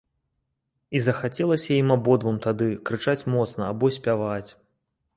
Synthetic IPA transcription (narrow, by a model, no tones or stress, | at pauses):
izɐxat͡sʲɛlˠɐsʲɐjimabɔd̪vɨmt̪ad̪ɨkɾɨt͡ʂat͡sʲmɔt̪snɐabɔsʲpʲavat͡sʲ